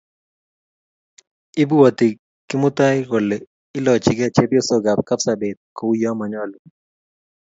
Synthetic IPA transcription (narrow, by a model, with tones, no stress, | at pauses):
ɪ˦bu˦wɔ˨ti˨ | kɪ˦mʊ˦ta˦ɪko˨lɛ˨ | ɪ˦lɔ˨t͡ʃɪ˨ɡɛ˦t͡ʃɛ˦bjɔ˦so˨ɡa˨p̚ka˦psa˨be˨t̪̚ko˨u˦jɔ˦ma˨ɲɔ˦lu˨